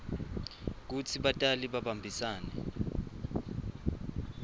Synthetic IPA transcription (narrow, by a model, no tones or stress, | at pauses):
k̬ut͡sʰiɓatʼaliɓaɓambʱisaːnɛ